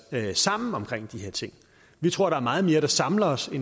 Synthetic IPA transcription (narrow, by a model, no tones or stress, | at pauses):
sɑ̈m̰n̩ɒ̽mkʰʁeŋ̰d̥ihe̝ɐ̰t͡sʰe̝ŋ̰ | ʋit͡sʰʁo̝ɐ̰ɾ̥ɑ̈æɐmɑ̈ːð̞̩ˠme̝ːɐɾ̥ɑ̈sɑ̈mlɐɒsen